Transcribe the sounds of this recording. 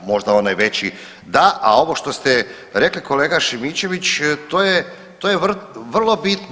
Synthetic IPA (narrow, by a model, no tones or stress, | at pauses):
mo̞ʒd̪ao̞najʋe̞t͡ɕi | d̪aʔa̰o̞ʋo̞ʃt̪o̞st̪e | ɾe̞klikʰo̞le̞ːɡaʃimit͡ɕe̞ʋit͡ɕt̪oje | t̪ojeʋrʋr̩lˠo̞bit̪n